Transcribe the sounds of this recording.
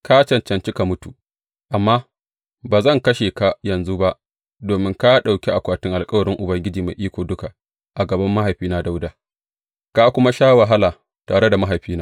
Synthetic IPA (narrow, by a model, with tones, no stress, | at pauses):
ka˦t͡ʃɐ˨nt͡ʃɐ˨nt͡ʃɪ˦ka˨mʊ˦tu˨ | ʔa˨mːaː˦ | baː˨zɐ˦˨ŋkɐ˦ʃeː˨ka˦jɐ˨nzu˦ba˦ʔ | doː˨mɪ˦ŋka˦ɗa˨wkʲe˦ʔa˨kʷaː˨tɪ˦ŋʔa˨lkʼɐ˦wɐ˨ɽɪ˦ŋʔʊ˨bɐ˦ŋɡʲɪ˦d͡ʒiː˨ma˨jʔiː˦kʷoː˨dʊ˦ka˨ | ʔa˨ɡɐ˨bɐ˦mːa˦ɦa˨jɸiː˦na˦da˦wda˦ | kaː˦kʷʊ˦ma˦ʃaː˦wa˨ɦa˦laː˨ | taː˨ɽe˦da˨ma˦ɦa˨jɸiː˦naː˦